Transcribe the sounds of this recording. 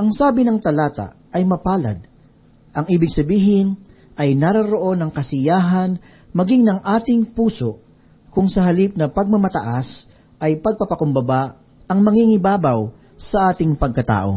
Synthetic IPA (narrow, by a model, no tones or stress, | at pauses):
ʔɐŋsaːbɪnɐŋt̪ɐlaːt̪a̰ | ɐjmɐpaːlɐ̰d̪̚ | ʔɐŋʔiːbɪɡsɐbiːɦɪn | ʔɐjnaɾɐɾoʔo̞nɐŋkɐsɪjaːɦɐn | mɐɡiŋnɐŋʔaːt̪ɪŋpuːso | kʊŋsɐɦɐlip̚nɐpɐɡ̚mɐmɐt̪ɐʔas | ʔɐjpɐɡ̚pɐpɐkʊmbɐba | ɐŋmɐŋiŋɪbaːbɐw | sɐʔaːt̪ɪŋpɐɡ̚kɐt̪a̰ːʔo̞̰